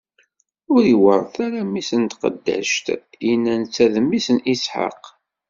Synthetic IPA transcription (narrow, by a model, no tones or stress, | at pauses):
ʊɾiwəɾˤθæɾæmisənt̪qə̰d̪ːæ̰ʃt̪ | jinænt͡sːæðmːisənʔisħa̰q